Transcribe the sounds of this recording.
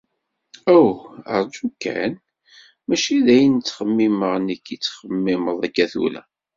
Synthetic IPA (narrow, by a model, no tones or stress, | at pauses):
æwə̰ɾˤd͡ʒukːæ̰n | mæʃiðæjənt͡sːχəmːiməʁnikːit͡sːχəmːiməðˤækːæθṵlæ̰